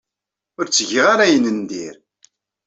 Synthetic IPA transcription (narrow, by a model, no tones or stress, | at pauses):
ʊɾt͡sːəʝəʁaɾæjənənd̪iɾ